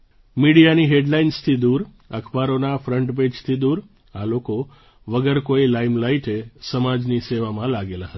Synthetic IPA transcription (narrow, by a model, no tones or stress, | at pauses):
miɽijaniɦeɖlainst̪ʰid̪uɾ | əkʰpaɾonafɾəɳʈped͡ʒt̪ʰid̪uɾ | aloko | ʋəɡəɾkoilaimlaiʈesəmad͡ʒniseʋamãlaɡelaɦət̪a